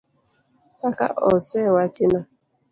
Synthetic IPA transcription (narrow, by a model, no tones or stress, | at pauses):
taka̰ʔɔsɛwat͡ʃɪna